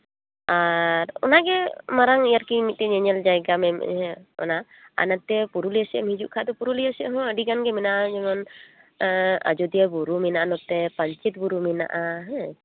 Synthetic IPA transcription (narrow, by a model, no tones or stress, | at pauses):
aɾɔ̰naɡɛmaɾaŋijaɾkimit̪̚t̪ɛɲɛɲald͡ʒajɡamɛm̰ɦɛ̃ɔ̰na | a̰nat̪̚t̪ːɛpuɾuliasɛ̰mid͡ʒuʔkʰaʔd̪ɔpuɾulijasɛʔɦɔ̃əɖiɡanɡɛmɛnaʔad͡ʒɔmɔn | a̰d͡ʒɔd̪ijabuɾuminaʔanɔt̪ɛpaɲt͡ʃit̪̚buɾumina̰ʔaɦɛ